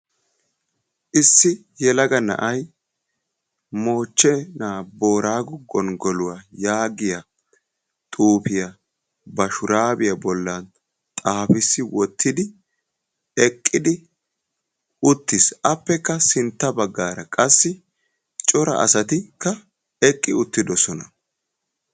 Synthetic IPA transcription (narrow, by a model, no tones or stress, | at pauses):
ʔɪsːɪjɛlɐɡɐnɐ̰ʔɐj | mo̞ːt͡ʃːɛnaːbo̞ːɾaːɡɔɡɔnɡɔlʊwajaːɡɪjɐ | t̪ʼuːpɪjɐ | bɐʃʊɾaːbɪjɐbɔlːɐn | t̪ʼaːfɪsːɪwʔɔt̪ːɪd̪ɪ | ɛkʼːɪd̪ɪ | ʊt̪ːɪsɐpːɛkːɐsɪnt̪ːɐbɐɡːaːɾɐkʼɐsːɪ | t͡ʃʼɔɾɐ̰ʔɐ̰sɐt̪ɪkːɐ | ɛkʼːɪʊt̪ːɪd̪ɔsɔnɐ